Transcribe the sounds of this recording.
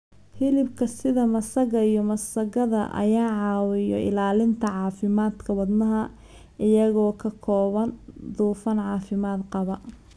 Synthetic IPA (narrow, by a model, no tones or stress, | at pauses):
hɪlɪbkʰɐsɪðɐmɐsɐɣɐijɔmɐsɐɣɐðɐ̰ʔɐ̰jaːʕɑːwɪjɔ̰ʔɪ̰laːlɪnt̪ʰɐʕɑːfɪmaːd̪kʰɐwɐd̪nɐɦɐ | ɪjɐɣɔːkʰɐkʰɔːβɐnd̪uːfɐnʕɑːfɪmaːd̪qɑβɐ